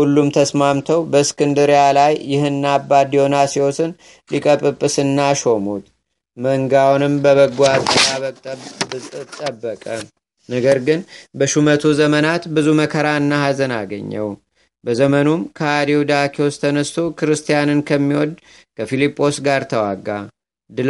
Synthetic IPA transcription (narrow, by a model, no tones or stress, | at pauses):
hulːumt̪ʰəsmamt̪ʰəwbəskʰɨnd̪ɨɾjalajːɪɦɨnːabːad̪jonasiosɨn | likʼəpʼɨpʼːɨsɨnːaʃo̞mut̪ | məŋɡawnɨmbəβəɡʷat̪ɨtaβəɨt̪ʼːəbːəkʼə | nəɡəɾɡɨnbəʃumət̪ʰuzəmənat̪bɨzuməkʰəɾaɨnːahazənaɡə̰ɲːə̰w | bəzəmənumkʰəad̪iwud̪akʰiost̪ʰənəst̪ʰokɨɾɨst̪ʰijanɨnkʰəmːiwɔd̪ | kʰəfilipʼːo̞sɡaɾt̪ʰəwaɡːa | d̪ɨ